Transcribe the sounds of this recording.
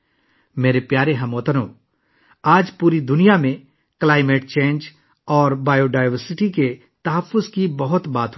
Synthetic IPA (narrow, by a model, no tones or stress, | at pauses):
meːɾepjaːɾeɦɐmoːt̪ənõː | aːd͡ʒpuːɾid̪ʊnijamẽ | klaːɪmeːʈ̚t͡ʃẽːnd͡ʒ | ɔːɾbaːjoɖaːɪʋəɾsɪʈike | t̪ɐɦəfːʊzkibɐɦʊt̪baːt̪ɦ